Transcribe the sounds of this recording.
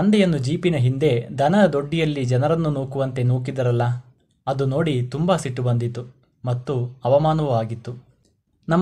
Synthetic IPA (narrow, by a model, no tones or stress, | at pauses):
ɐnd̪ɛjɐnːud͡ʒiːpinɐɦind̪e̞d̪ʱɐnɐd̪o̞ɖːijɐlːid͡ʒɐnɐɾɐnːunoːkuʋɐnt̪e̞noːk̬id̪ɐɾɐlːɐ | ɐd̪uno̞ːɽit̪umbɐsiʈːubɐnd̪it̪ːu | mɐt̪ːuɐʋɐmaːnɐʋuʋaːɡit̪ːu | nɐmː